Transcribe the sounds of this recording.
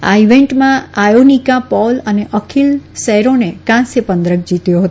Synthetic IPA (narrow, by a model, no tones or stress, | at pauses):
a̰iʋeɳʈmãajonikapɔləneʔəkʰilsəɦɾonekãsepə̃nd̪ɾək̚d͡ʒit̪joɦət̪o